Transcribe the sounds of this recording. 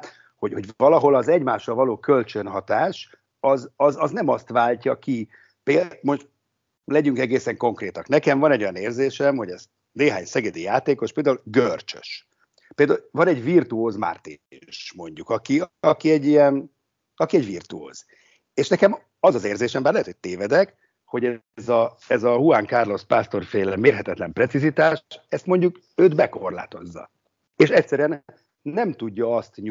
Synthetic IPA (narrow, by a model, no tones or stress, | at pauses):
t̪ | ho̞ɟho̞ɟvɒlɒɦo̞lɒzɛɟmaːʃːɒlvɒloːkølt͡ʃønɦɒt̪aːʃ | ɒzɒzɒznɛmɒst̪vaːlcɒki | pemo̞ʃt̪ | lɛɟyŋkɛɡeːsɛŋko̞ŋkreːt̪ɒknɛkɛɱvɒnɛɟːo̞jɒneːrzeːʃɛmho̞ɟɛz | neːɦaːɲsɛɡɛd̪ijaːt̪eːko̞ʃpeːld̪aulɡørt͡ʃø̥̰ʃ | peld̪auvɒnɛɟvirt̪uoːzma̰rt̪iʃmo̞ɲɟukɒkiɒkiɛɟːijɛn | ɒkiɛɟʋirt̪uo̰ːz̥ | eːʃnɛkɛm | ɒzɒzeːrzeːʃɛmbaːrlɛɦɛt̪ho̥t̪eːvɛd̪ɛk | ho̞ɟɛ | zɒ | ɛzɒhuaŋkaːrlo̞spaːst̪o̞rfeːlɛmeːrɦɛt̪ɛt̪lɛmprɛtsizit̪aːʃɛst̪mo̞ɲɟuk | øːd̪bɛkorla̰ːt̪o̞̰zːɒ̰ | eːʃɛcsɛɾyɛn | nɛmt̪uɟːɒɒst̪ɲu